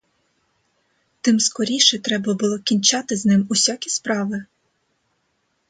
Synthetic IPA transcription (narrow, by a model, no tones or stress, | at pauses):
t̪ɪmskɔɾʲiʃɛt̪ɾɛbɐbʊlˠɔkʲinʲt͡ʃɑt̪ɪznɪmusʲakʲispɾɑʋɪ